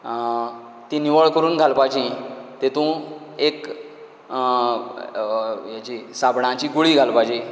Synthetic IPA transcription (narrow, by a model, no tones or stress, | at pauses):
t̪ĩniʋəɭkəɾuːnɡʱalpajd͡ʑĩt̪et̪ũek | jat͡ɕiːsabʱɳãt͡ɕiːɡuɭiːɡʱalpajd͡ʑi